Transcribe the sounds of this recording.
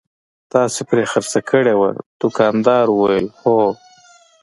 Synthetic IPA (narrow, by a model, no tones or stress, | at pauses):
t̪ɑsepɾexəɾsakʰəɽewa̰d̪̥ʊkɑnd̪ɑɾwajəlho